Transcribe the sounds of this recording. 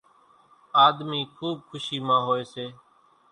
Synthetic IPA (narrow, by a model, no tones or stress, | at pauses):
aːd̪miːkʰuːb̚kʰʊʃiːmãːɦoːeːseː